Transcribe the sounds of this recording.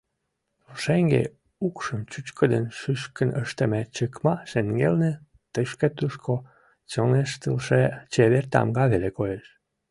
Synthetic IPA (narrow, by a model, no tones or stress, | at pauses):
oʃeŋɡḛ | ukʃəmt͡ɕyt͡ɕkəd̪ənʃyʃkənəʃt̪emet͡ɕəkmɑʃeŋɡelne | t̪əʃket̪uʃkʰo | t͡ɕoneʃt̪əlʃet͡ɕeβert̪ɑ̰mɡɑβelekojeʃ